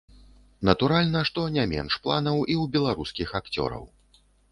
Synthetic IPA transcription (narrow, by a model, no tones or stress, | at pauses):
nɐt̪uɾalʲnɐʂt̪ɔnʲamʲɛ̰nʂplˠanɐwiwbʲɛlˠaɾuskʲixakt͡sʲɔ̰ɾɐ̰w